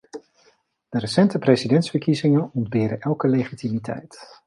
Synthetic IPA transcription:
d̥ərəsɛntəprezidɛntsfəɹkizɪŋənɔndbɪːdəʔɛlˠkəlejχitimitʰɛ̰jt

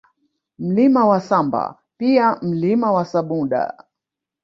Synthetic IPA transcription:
m̩limawasamba̰ | piam̩limawasaɓuɗa̰

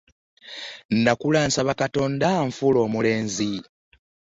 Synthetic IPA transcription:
ndakulaːnsaβakato̞ːndaɱfulo̞ːmule̞ːnzi

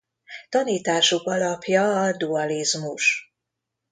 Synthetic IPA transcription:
t̪ɒniːt̪aːʃokɒlɒpjɒːd̪uɒlizmuʃ

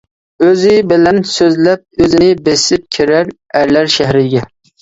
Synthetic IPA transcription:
øzɪbɪlænsɵzlæp̚ɵzɪnɪbesɪp̚kʲʰiɾæɾ | æɾlæɾʃæhɾɪɡʲɛ

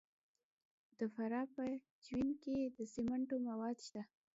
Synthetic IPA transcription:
d̪̥əfaɾɑpə | d͡ʒwinked̪əsimaɳʈomawɑd̪ʃt̪a

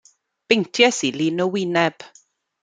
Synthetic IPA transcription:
b̥ejntʰjɛsilinɔwɪnɛb̥

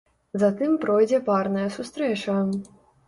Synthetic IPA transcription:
zat̪ɨmpɾɔjd͡zʲɛparnɐjɐsust̪ɾɛt͡ʂɐ

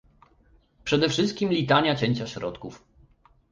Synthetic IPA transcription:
pʂɛd̪ɛfʂɘst̪̚kʲimlʲit̪aɲat͡ɕeɲt͡ɕaɕɾɔt̪kuf

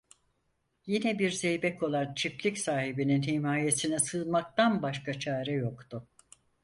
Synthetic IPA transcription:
jinɛbiɾzejbɛkʰo̞lˠant͡ʃʰiplʲicsaːhibininhimaːje̞sinɛsɯlˠmak̚t̪anbaʃkʰat͡ʃʰaːɾɛjo̞kt̪ʊ

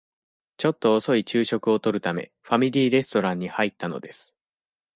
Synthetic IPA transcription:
t͡ɕo̞t̪ːo̞ːso̞it͡ɕɨːɕo̞kɯ̟o̞t̪o̞ɾɯ̟t̪ame̞̰ | ɸamʲiɾʲiːɾe̞sɨ̥t̪o̞ɾãɲ̟ːihait̪ːano̞̰d̪e̞sɨ̥

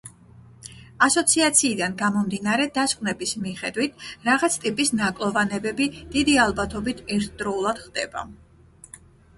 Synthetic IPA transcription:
asɔt̪sʰiat̪sʰiːd̪anɡamɔmd̪inaɾɛd̪askʼwnɛbismiχɛd̪wit̪ʰɾaʁat̪sʰt̪ʼipʼisnakʼlˠɔvanɛbɛbid̪̥id̪ialˠbat̪ʰɔbit̪ʰɛɾt̪ʰd̪ɾɔulˠad̪̥χd̪̥ɛ̰ba̰

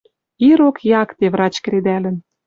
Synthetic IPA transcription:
iɾokjɑkt̪eβrɑt͡ɕk̆ɾed̪ælə̆n

